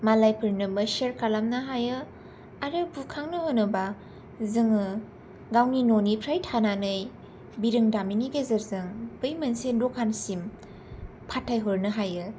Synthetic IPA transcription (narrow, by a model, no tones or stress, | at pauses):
malajpʰɯɾnɯbɯseɾkʰalamnɯɦajɯ | aɾɯbukʰaŋnɯhonɯba | zɯŋɯ | ɡawninonipʰɾajtʰananɯj | biɾɯŋdaminiɡezɯɾzɯŋb̥ɯjmɯnsendɔkʰːansim | pʰatʰːajɦoɾnɯɦajɯ